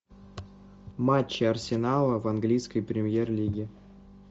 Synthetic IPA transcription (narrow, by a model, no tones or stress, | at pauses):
mat͡ɕːɪɐrsʲɪnalˠəvanɡlʲijskəjpɾʲɪmʲjerlʲiɡʲɪ